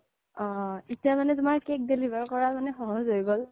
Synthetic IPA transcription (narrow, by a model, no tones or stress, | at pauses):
ɔ̃etijamanɛtʊmaɹkek̚delibaɹkɔɹamanɛxɔɦɔzɦojɡol